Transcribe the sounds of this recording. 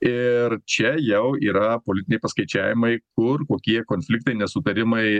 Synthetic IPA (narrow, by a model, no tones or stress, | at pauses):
ɪɾt͡ʃʲɛjɛʊiːɾɐpoːlʲɪt̪ʲɪnʲɛɪpɐskɐɪt͡ʃʲæːʋʲɪmɐɪkʊɾkoːkʲiɛkoːnʲfʲlʲɪkt̪ɐɪnʲɛsʊt̪ɐɾʲɪmɐɪ